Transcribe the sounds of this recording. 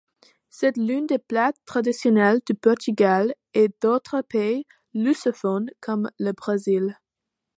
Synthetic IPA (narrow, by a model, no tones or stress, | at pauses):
sɛt̪lynd̪eplatt̪ːχad̪isjɔnɛld̪ypɔʁt̪yɡal | ed̪̥ot̪χəpej | lysəfɔnkʰɔmləbʁezil